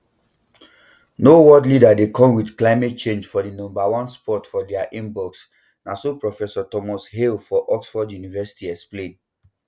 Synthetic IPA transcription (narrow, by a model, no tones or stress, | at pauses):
nowɔdlidadekɔ̃mwidklaɪmɛt̚t͡ʃẽnd͡ʒfɔdinɔ̃mbawɔ̃nspɔtfɔdɛaʔĩmbɔks | nasopɹɔfɛsɔtɔmɔshelfɔʔɔksfɔdjunivɛsi̥tiɛksplẽn